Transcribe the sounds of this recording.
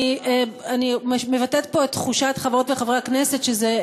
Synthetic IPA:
animmevatet̪po̞et̪ːχuʃatχavʁotbeχavʁeaknese̞tʃeze

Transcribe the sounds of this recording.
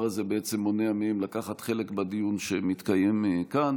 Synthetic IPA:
azebeet͡se̞mːoneamimlakaχat̪χe̞le̞kbadijunʃemit̪kaje̞mkan

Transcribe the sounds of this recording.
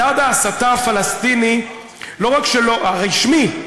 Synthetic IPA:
ad̪aːsat̪aafalast̪ini | lo̞ʁakʃeloʔaʁiʃmi

